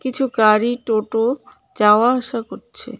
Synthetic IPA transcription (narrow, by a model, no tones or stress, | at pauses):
kit͡ɕʰuɡaɾiʈoʈo | d͡ʑaoaaʃakoɾt͡ɕʰḛ